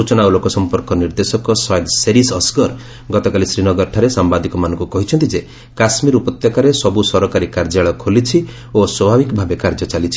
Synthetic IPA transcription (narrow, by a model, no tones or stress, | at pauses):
ut͡ʃɔnaulokɔsɔmpɔɾkɔniɾd̪esɔkɔsɔjd̪seɾisɔskɔɾ | ɡɔt̪ɔkalisɾinɔɡɔɾʈʰaɾesambad̪ikɔmanɔŋkukɔɦit͡ʃʰɔnt̪id͡ʒe | kasmiɾupɔt̪jɔkaɾesɔbusɔɾɔkaɾikaɾd͡ʒaɭɔkʰolit͡ʃʰi | oswɔbʱabikɔbʱabekaɾd͡ʒɔt͡ʃalit͡ʃʰi̥